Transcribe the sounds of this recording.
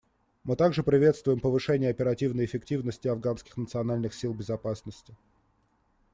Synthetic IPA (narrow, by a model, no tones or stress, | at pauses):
mɨt̪aɡʐɨpɾʲɪvʲe̞t̪st̪vʊjɪmpəvɨʂɛnʲɪjəɐpʲɪɾɐtʲivnəjɪfʲɪktʲivnəsʲtʲɪɐvɡanskʲɪ̥xnət̪sɨɐnalʲnɨxsʲilˠbʲɪzɐpasnəsʲtʲɪ